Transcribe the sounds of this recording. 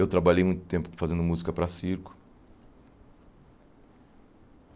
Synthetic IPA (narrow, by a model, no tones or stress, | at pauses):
ewt̪ɾabaʎejmũj̃t̪ʊt̪ẽmpʊ̥kõfazẽnd̪ʊmuzikɐpɾɐsiɾkʊ̥